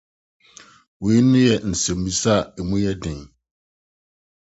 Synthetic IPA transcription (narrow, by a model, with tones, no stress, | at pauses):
wi˨i˦nʊ̃˦jɛ˨n̩˨sɛ̃˨m˨bĩ˨sa˦˨ɛ˨mũ˦jɛ˦dɪ̃˨n